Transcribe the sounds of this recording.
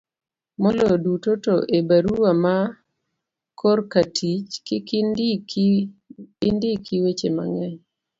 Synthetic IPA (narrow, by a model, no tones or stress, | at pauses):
mɔlɔdutotoʔebaɾuwama | kʰorkatʰit͡ʃkɪkn | ɪndɪkiwet͡ʃema̰ŋɛɲ